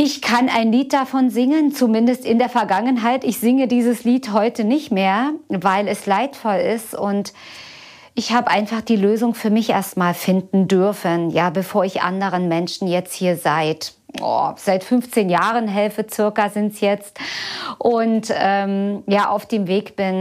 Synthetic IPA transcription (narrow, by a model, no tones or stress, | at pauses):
ʔɪçkʰanaɪnliːt̚d̥afɔnzɪŋənt͡sumɪndəstɪndeːɐfɛɐɡaŋənɦaɪtɪçz̥ɪŋədiːzəsliːtɦɔʏtənɪçtmeːɐvaɪlɛslaɪtfɔlɪstʊnt | ʔɪçhaːbəʔaɪnfaχd̥iːløːzʊŋfyːɐmɪçʔeːɐstmaːlfɪndn̩dʏɐfənjaːbəfoːɐɪçʔa̰ndəʁ̞ənmɛnʃn̩jɛt͡sthiːɐzaɪt | ɔ̰z̥aɪtfʏnft͡seːnjaːʁənɦɛlfət͡sʏɐkɐzɪntsjɛt͡stʔʊntʔɛːmjaːʔa̰ʊfd̥eːmveːkb̥ɪn